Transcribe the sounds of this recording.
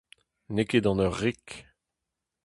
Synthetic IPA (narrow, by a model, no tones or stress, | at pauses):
neked̪ɑ̃nœʁːik